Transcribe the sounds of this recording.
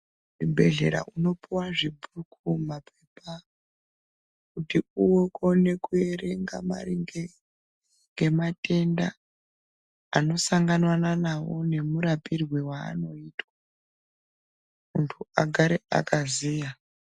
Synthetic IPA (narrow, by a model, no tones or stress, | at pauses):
ibʱe̞ɮe̞̰ɾa̰ʔuno̞piwaʐibʱukʰumapʰe̞pa | kutiuwo̞kone̞kue̞re̞ŋɡama̰riŋe | ŋɡe̞mate̞nda | no̞saŋɡanwananawo̞̰ne̞muɾapirwewa̰ːno̞iːtwa | muntʰuaɡʱaɾea̰kʰaziːja